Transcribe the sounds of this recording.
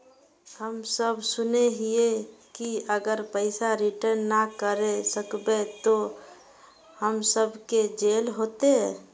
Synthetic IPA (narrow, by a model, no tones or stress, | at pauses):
həmsəbʱsʊneɦiekiəɡəɾpəɪsaɾiʈəɾnːakəɾesəkbet̪o | həmsəbʱked͡ʒeːlɦot̪e